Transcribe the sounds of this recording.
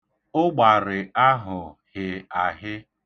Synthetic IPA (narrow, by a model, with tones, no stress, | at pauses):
ʊ˦ɡ͡ba˨ɾɪ˨a˦ɦʊ˨hɪ˨a˨ɦɪ˦